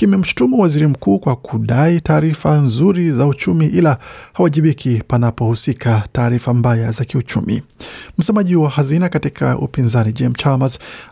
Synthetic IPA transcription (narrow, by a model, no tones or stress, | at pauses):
kimɛm̩ʃu̥tumuwaziɾim̩kuːkwakʰuɗaitaːɾifanzuɾizaut͡ʃumiʔilahawaʄiɓikʰipanapɔhusikʰataːɾifambajazakiut͡ʃṵmḭm̩sɛmaʄihuwahazinakatikʰa̰ʔṵpinzanid͡ʒɛmt͡ʃamaz